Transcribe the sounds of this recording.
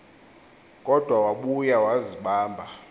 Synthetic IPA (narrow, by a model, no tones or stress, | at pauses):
kʼɔd̥ʱwawaɓujawaziɓaːmbʱa